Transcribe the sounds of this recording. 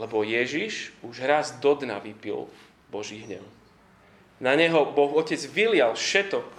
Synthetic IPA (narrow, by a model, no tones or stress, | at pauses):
lɛbɔjɛʒiʃuʒɦɾazd̪ɔd̪na̰ʋipḭl | bɔʒiːɦɲɛ̰ʊ | naɲɛɦɔbɔxɔcɛd͡zʋilɪalfʃɛt̪ɔ